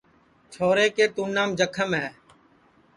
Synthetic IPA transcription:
t͡ʃʰoːɾeːkeːt̪uːnaːmd͡ʒəkʰəmɦɛː

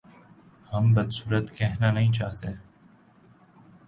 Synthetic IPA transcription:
hɐmbɐd̪suːɾət̪kɛɦnanɐɦĩt͡ʃaːɦt̪e

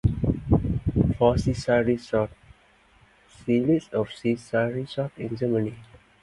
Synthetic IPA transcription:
fɔsisaɹisɔt̚ | silisɔfsisaɹisɔt̪ĩnd͡ʒɛməni

